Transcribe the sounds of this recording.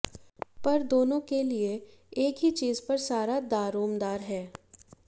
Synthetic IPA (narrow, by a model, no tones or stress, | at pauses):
pɐɾd̪oːnõkelie | eːkɦit͡ʃiːzpɐɾsaːɾad̪aːɾoːmd̪aːɾɦɛː